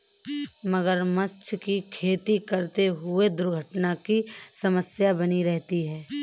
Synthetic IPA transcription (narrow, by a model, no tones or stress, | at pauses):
mɐɡəɾmɐt͡ʃʰkikʰeːt̪ikɐɾt̪eɦʊed̪ʊɾɡʱəʈnakisɐməsjabɐniɾɛɦt̪iɦɛː